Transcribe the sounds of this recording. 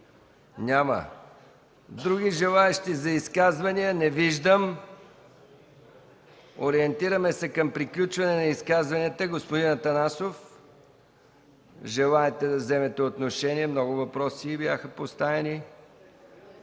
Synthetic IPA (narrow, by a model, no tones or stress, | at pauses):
nʲamə̰ | d̪ɾuɡiʒɛlˠaɛʃt̪izɐiskazvɐniənɛviʒd̪əm | oɾiɛnt̪iɾəmɛsɛkɐmpɾiklʲut͡ʃvɐnɛnɐiskazvɐnɛt̪əɡospod̪inɐt̪ɐnasof | ʒɛlˠaɛt̪ɛd̪ɐvzɛmɛt̪ɛot̪noʃɛniɛmnɔɡʊvɐpɾɔsiːbjaxəpost̪avɛni